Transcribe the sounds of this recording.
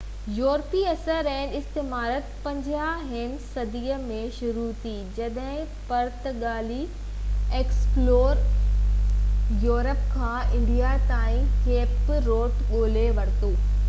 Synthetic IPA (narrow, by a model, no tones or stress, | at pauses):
joːɾpiɐsəɾɛ̃ːnɪst̪ɪmaːɾət̪̚pɐ̃ɲd͡ʑjaɦɪnɪ̆sɐd̪iːəmẽʃʊɾut̪ʰiːd͡ʑɐɗɦɪ̃ | pɐɾt̪ɠaːli | eːksploːɾ | joːɾəpkʰãːɪ̃ɳɖijat̪aːĩkeːpɾoːʈɠoːleʋɐɽt̪oː